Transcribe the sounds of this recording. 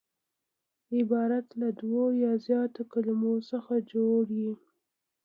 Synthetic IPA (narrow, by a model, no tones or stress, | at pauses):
ɪbɑɾat̪lad̪wojɑzjɑt̪okalamosəxad͡ʒoɽji